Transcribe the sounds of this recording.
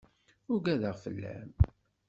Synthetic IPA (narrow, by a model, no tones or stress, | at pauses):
ʊɾɡæðəʁfə̰lːæ̰m